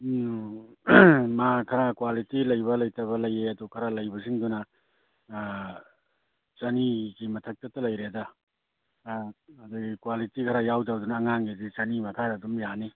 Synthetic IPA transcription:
makʰɐɾakwalitilɐjbɐlɐjtʰɐβɐlɐjeɐdukʰɐɾalɐjbɐsiŋdunɐ | t͡ʃɐniɡimɐtʰɐk̚tɐtːɐlɐjɾeda | ɐduɡikwalitikʰɐɾajawdadunaːŋaŋidit͡ʃɐnimɐkʰaɾadumjani

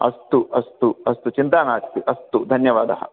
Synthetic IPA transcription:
ɐ̰st̪uʔɐst̪uɐst̪ut͡ʃint̪aːnaːkt̪iʔɐst̪ud̪ʱɐnjɐʋaːd̪ɐɦɐ̰

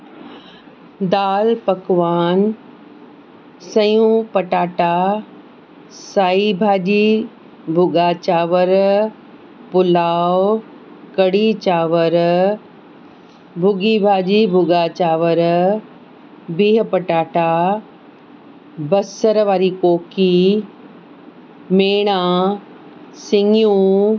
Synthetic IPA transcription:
d̪aːlpɐkʋaːn | sɐjũpɐʈaːʈa | saːibʱaːʄi | bʱʊɡaːt͡ɕaːʋəɾ | pʊlaːwʊ | kɐɽit͡ɕaːʋəɾ | bʱʊɡibʱaːʄibʱʊɡaːt͡ɕaːʋəɾ | biːɦpɐʈaːʈa | bɐsəɾʋaːɾikoːkʰi | meːɽ̃ãː | sɪŋjũ

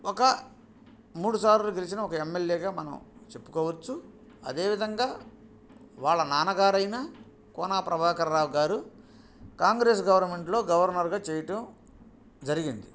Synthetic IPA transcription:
ɔkɐ | muːɽusaːɾloːɡelisinɐɔkɐemːeljeːɡaːmɐnɐ̰mt͡ʃe̞pːu̥kɔːʋɐt͡ʃːu | ɐ̰d̪e̞ːʋid̪ʱɐŋɡaː | ʋaːɭːɐnaːnɐɡaːɾɐjnaː | kɔːnaːpɾɐbʱaːkɐɾɾaːwɡaːɾu | kaːŋɡɾe̞ːsɡɐʋɐɾnme̞ɳʈlo̞ːɡɐʋɐɾnɐɾɡaːt͡ʃɛːjɐʈɐm | d͡ʒɐɾiɡind̪i

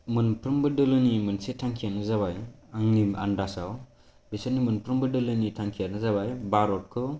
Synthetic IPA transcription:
mɯnpʰɾɯmbɯdɯlɯnimɯnsetʰaŋkʰijanɯzaβajaŋnia̰ndasaw | bisanimɯnpɾɯmbɯdɯlɯnitʰaŋkʰijanɯzaβajbaɾɔt̚kʰɯ

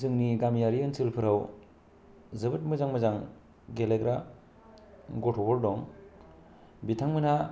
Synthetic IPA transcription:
zɯŋniɡamjaɾiɯnsɯlpʰɯɾaw | zɯbɯt̚mɯzaŋmɯzaŋ | ɡeleɡɾa | ɡɔtʰɔbɔɾdɔŋ | bitʰaŋmɯna

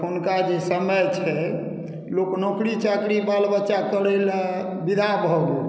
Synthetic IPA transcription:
unkad͡ʒesəməjt͡ʃʰɛ | loknokɾit͡ʃakɾibalbətːʃakəɽel | bid̪ʱabʱɔɡo

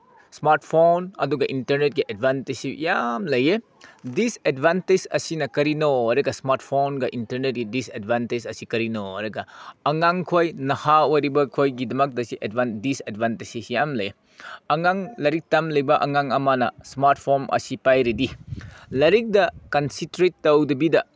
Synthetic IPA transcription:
smaɾtpʰonɐ̰duɡɐʔintɐɾnet̚ɡiʔedbantesḭjamlɐje | disedbʱantesɐ̰sinɐkɐɾinoɾɐɡɐsmaɾt̚pʰonɡɐʔintɐɾnet̚ɡidisedbʱantesɐsikɐɾino̰ɾɐɡɐɐŋaŋkʰojnɐhawoɾibɐkʰojɡidɐmɐk̚dɐsiʔedbandisedbantesisijamlɐje | ɐŋaŋlɐɾik̚tamlɐjbɐʔɐŋaŋɐmɐnɐ̰smaɾt̚ʰpʰonʔɐ̰sipajɾidilɐɾik̚dɐkɐnsitɾetːɐwdɐbidɐ

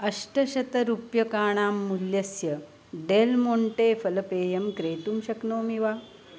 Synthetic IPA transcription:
ɐʂʈɐɕɐt̪ɐɾupjɐkaːɳ̃aːmːuljɐsjɐ | ɖeːlmoɳʈeːfɐlɐpeːjɐmkɾeːt̪umɕɐknoːmiʋaː

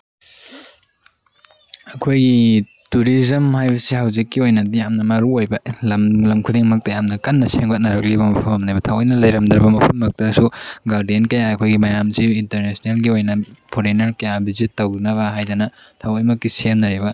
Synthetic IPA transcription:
ɐkʰojɡi | tuɾizɐmhajbɐsihawzikːiojnɐdijamnɐmɐɾuojbɐlɐmlɐmkʰudiŋmɐk̚tɐjamnɐkɐnːɐseŋɡɐt̚nɐɾɐk̚liβɐmɐpʰɐmɐmnajbɐtʰawɔjnɐlɐjɾɐmd̪ɾɐbɐmɐpʰɐtmɐk̚tɐsuɡaɾdienkɐjaɐkʰojɡimɐjamsiintɐɾnesonelɡiojnɐpʰoɾinɐɾkɐjabizitːownɐβɐɦajdanɐtʰawɔjmɐk̚tisemnɐɾeβɐ

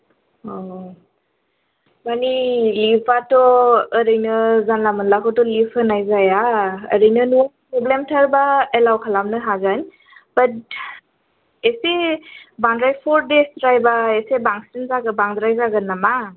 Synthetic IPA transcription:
ɔ | banilipʰatɔːɾɯjnɯzanlamɯnlakʰɔtɔlipənajzajaə̰ɾɯjnɯnuapɾɔblemtʰaɾbaelawkʰalamnɯɦazajn | bət̚ | esebaŋdɾajpʰɔɾdesɾajbaesebaŋsinzaɡɯbaŋdɾajzaɡɯnama

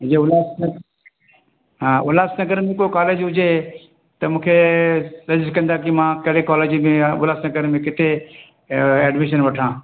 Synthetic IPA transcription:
d͡ʒeʊlaːsnɐ | ɦãːʊlaːsnɐɡəɾmẽkokaːleːd͡ʑɦʊd͡ʑe | t̪ɐmũːkʰesɐd͡ʒzkɐ̃nd̪akimãkɐɾekaːleːd͡ʑimẽʋʊlaːsnɐɡəɾmẽkɪt̪e | ɛːɖmɪʃ̬ənʋɐʈʰãː

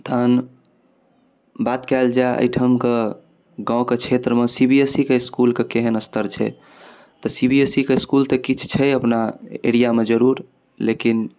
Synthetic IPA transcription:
t̪ʰəən | bat̪kald͡ʒaʔə̰jʈʰəmke | ɡãõket͡ʃʰet̪ɾəmesibiesikeiskulkekeɦənəst̪əɾt͡ʃʰɛ̰ | t̪əsibiesikeiskult̪əkit͡ʃʰt͡ʃʰɛəpnaḛɽijamed͡ʒəɾuɾ | lekin

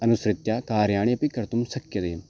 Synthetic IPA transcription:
ɐnʊsɾɪt̪jaːkaːɾjaːɽ̃epɪkəɾt̪ʊmsɐkjət̪eː

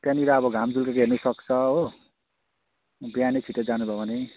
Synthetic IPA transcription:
pjaniɾaːbʌɡʱamd͡zulkakɦernusʌkt͡sʰʌɦo | bjanekʰiʈʌd͡zanubʱabʱʌne

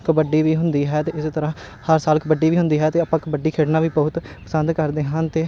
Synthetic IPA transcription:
kəbəɖiːʋiːɦʊnd̪iːɦɛːt̪eːɪseːt̪əɾãː | həɾsaːlkbəɖːiːʋiːɦʊ̃nd̪iːɦɛːt̪eːaːpãːkəbəɖːiːkʰeːɽnaːʋiːbəʊt̪pəsənd̪kəɾd̪eːɦənt̪eː

